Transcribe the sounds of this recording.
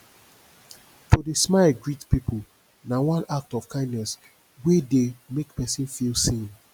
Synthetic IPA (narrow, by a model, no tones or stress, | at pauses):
tʰodesmaɪɡɹitpipʰul | nawãnak̚tɔv̥kʰãɪ̃ndnɛs | wedemekpɛsĩnfilsẽn